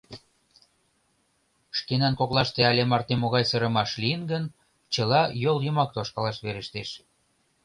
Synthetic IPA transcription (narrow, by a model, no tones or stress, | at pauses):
ʃkenɑnkoklɑʃt̪eɑlʲemɑrt̪emoɣɑjsəɾə̆mɑʃliənɡən | t͡ɕəlɑjoljɤmɑk̚t̪oʃkɑlɑʃβeɾəʃt̪eʃ